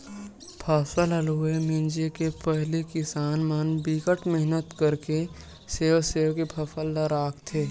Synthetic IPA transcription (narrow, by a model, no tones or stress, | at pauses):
pʰɐfəlɐluːemɪ̃nd͡ʒekepɛɦlikɪsaːnmənbiːkəʈmɪɦnət̪kəɾke | seːʋseːʋkepʰɐfəlːaɾaːkt̪ʰeː